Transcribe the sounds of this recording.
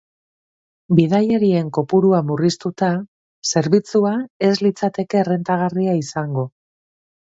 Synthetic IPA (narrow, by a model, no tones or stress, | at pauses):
bið̞aje̞ɾie̞ŋko̞puɾuamurist̪ut̪a | se̞ɾβit͡suae̞zlit͡sat̪e̞ke̞re̞nt̪aɣ̞ariaisaŋɡo̞